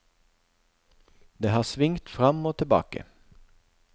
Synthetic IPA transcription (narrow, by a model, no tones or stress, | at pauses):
d̪eːhɑːsʋɪŋt̪fʁɑmoːt̪ʰɪlbɑ̰ːkə̰